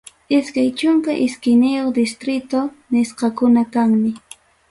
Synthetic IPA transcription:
ɪskajt͡ʃʊŋkaʔɪskɪjnɪjoχd̪ɪst̪ɾɪt̪o | nɪsqɑkʊnakaŋmɪ

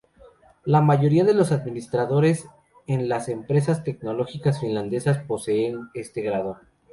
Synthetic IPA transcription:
lamaʝo̞ɾiaðe̞lo̞saðmĩnist̪ɾaðo̞ɾe̞s | enlase̞mpɾe̞s̬ast̪e̞k̚no̞lo̞xikasfinland̪e̞saspo̞se̞ːne̞st̪e̞ɣɾaðo̞

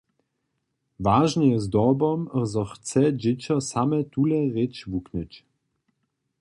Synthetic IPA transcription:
vaːʒnɛjɛzd̪ɔbɔmzɔxt͡sɛd͡ʒɪt͡ɕɐsamɛt̪ulɛʁet͡ʃvuknət͡ʃ

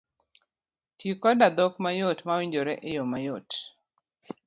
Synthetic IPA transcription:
tikɔdad̪ɔkmajotmawiɲd͡ʒoɾɛʔɪjomajot

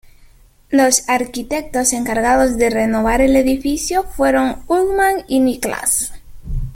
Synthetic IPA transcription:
lo̞saɾkit̪e̞k̚t̪o̞se̞ŋkaɾɣaðo̞zðe̞re̞no̞βaɾe̞le̞ðifisjo̞fwe̞ɾo̞ŋuɣmaŋinikla̰s

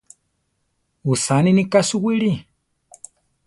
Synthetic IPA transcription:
usaninikasuwiɺi

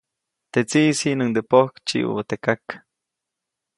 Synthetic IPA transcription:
t̪et͡siʔsiʔnɨŋd̪epohkt͡ʃḭʔṵβat̪ekak

